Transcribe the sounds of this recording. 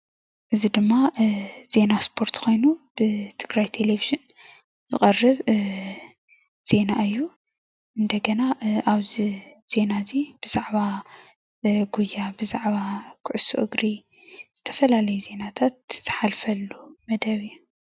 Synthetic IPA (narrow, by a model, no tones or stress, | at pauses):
ʔɨzid̪ɨmːaz̥e̞naspʰo̞ɾt̪kʰo̞jnub̥ɨt̪ʰɨɡɾajt̪ʰe̞leviʒɨn | zɨχʼɐrːɨβ | z̥e̞naɨjːu | ʔɨnd̪ɐɡɐnaʔaβziz̥e̞nazib̥ɨz̥aʕβa | ɡujːabɨzaʕβakʰɨʕʊsṵʔɨɡɾi | z̥ɨt̪ʰɐ̥fɐlalɐjuze̞nat̪ʰat̪̚z̥ɨħalfɐlːumɐd̪ɐβɨjːu